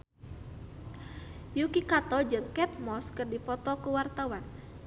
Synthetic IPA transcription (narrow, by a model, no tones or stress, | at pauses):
jukikat̪ɔd͡ʒɨŋkɛt̪̚mɔskɨrdipɔt̪ɔkuwart̪awan